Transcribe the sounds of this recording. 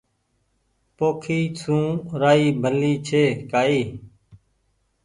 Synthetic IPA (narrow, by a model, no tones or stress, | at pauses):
poːkʰiːsʰũːɾaːiːbʱəliːt͡ʃʰeːkaːiː